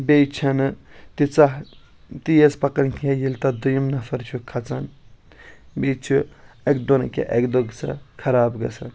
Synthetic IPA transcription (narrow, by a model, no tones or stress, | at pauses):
bʲejt͡ʃʰɐnɨt̪it͡sɐɦ | t̪ijespɐkɐnkʲʰejilt̪ɐd̪ujimnɐfɐɾt͡ʃʰukʰɐt͡sɐn | bet͡ʃʰu | ekd̪onɐ̰kʲʰḛʔekd̪oɡt͡sʰɐ̰kʰɐɾaːbɡɐ̰t͡sʰɐ̰n